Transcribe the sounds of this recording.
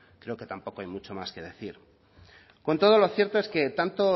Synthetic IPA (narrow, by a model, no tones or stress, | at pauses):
kɾe̞oke̞t̪ampo̞ko̞ajmut͡ʃo̞maske̞ðe̞θiɾ | ko̞nt̪o̞ð̞o̞lo̞θjeɾt̪o̞e̞ske̞t̪ant̪o